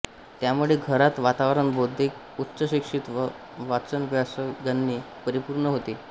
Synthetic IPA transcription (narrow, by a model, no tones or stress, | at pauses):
t̪jamuɭeɡʱəɾat̪ʋat̪aʋɾəɳbod̪ʱːek̚ | utːɕəɕikʂit̪ | ʋat͡sənʋjasəɡənːi | pəɾipuɾɳəɦot̪i